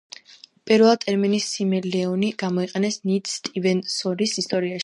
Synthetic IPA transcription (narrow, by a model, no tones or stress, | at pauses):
pʼiɾvɛlˠt̪ʼɛɾminisːimɛlɛɔniɡ̥amɔiqʼɛnɛsnit̪ʰst̪ʼivɛnsɔɾisist̪ʼɔɾiaʃ